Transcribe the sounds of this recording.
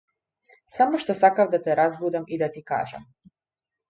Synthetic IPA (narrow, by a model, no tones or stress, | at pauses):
samɔʃt̪ɔsakavd̪at̪ɛɾazbud̪amid̪at̪ika̰ːʒa̰m